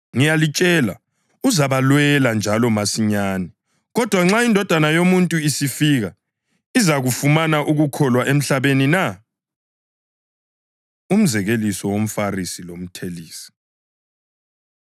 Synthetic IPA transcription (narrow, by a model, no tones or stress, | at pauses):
ŋijalit͡ʃʼɛla̰ | uzaβalwɛland͡ʒʱalɔmasiɲaːni | ɣɔd̥ʱwaŋ͡ǁaindʱɔd̥ʱanajomuntʼuisifiɣa | izaɣufumanaʔuɣukʰɔlwaʔem̩ɬaβenina | um̩zɛɣelisɔwom̩farisilom̩tʰeliːsi̥